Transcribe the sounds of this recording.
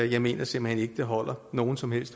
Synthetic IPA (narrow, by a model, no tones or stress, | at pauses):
jɑ̈ɪme̝̰ːnɐsemb̥l̩hene̝ɡ̥əd̥eɦɒ̽l̰ɐno̝ːn̩sɒ̽mhel̰sd̥